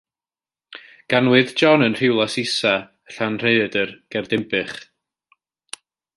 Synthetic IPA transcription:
ɡ̥anwɨðd͡ʒɔnənr̥ɪwlˠasɪsa | ɬanr̥eɨədərɡ̥ɛrdɪmbɨχ

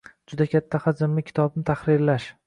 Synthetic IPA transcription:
d͡ʒʊd̪akʲʰat̪ʰːahad͡ʒɪmlɪkʲʰɪ̥t̪ʰɒbnɪt̪ʰaχɾɪɾlaʃ

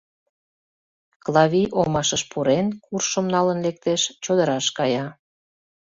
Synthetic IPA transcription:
klɑβiʔomɑʃəʃpʰuɾenkurʃəmnɑlənlek̚t̪eʃt͡ɕod̪əɾɑʃkɑjɑ

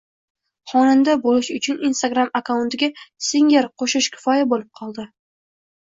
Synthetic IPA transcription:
χɒnɪnd̪abolɪʃʊt͡ʃʰʊninst̪aɡɾamakawʊnt̪ɪɡʲasɪŋʲeɾqʰoʃɪʃkʲʰɪ̥fɒjabolɪp̚qʰɒlˠd̪ɪ

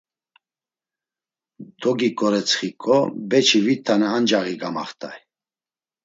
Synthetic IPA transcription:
d̪ɔɡikʼɔɾɛt͡sʰχikʼɔbɛt͡ʃʰivit̪ʰːanɛand͡ʒaɣiɡamaχt̪ʰʼa̰j

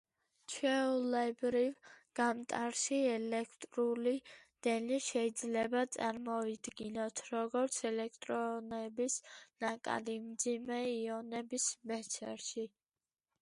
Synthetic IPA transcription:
t͡ʃʰɛulɛbɾivɡ̥amt̪ʼaɾʃiɛlɛkʰt̪ʼɾulid̪̥ɛniʃɛid̪zlɛbat̪sʼaɾmɔid̪ɡinɔt̪ʰɾɔɡɔɾt̪sʰɛlɛk̚ʰt̪ʼɾɔnɛbisnakʼa̰d̪imd̪zimɛiɔnɛbismɛt̪sʰɛɾʃi

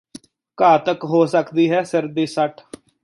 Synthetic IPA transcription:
kaːt̪əkɦoːsəkd̪iːɦɛːsɪɾd̪iːsəʈʰ

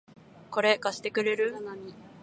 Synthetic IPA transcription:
ko̞ɾe̞kaɕi̥t̪e̞kɯ̟ɾe̞ɾɯ̟anamʲi

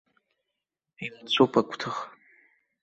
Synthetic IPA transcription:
ilat͡ɕʷʰʼopʰakʷʰtʰɨχ

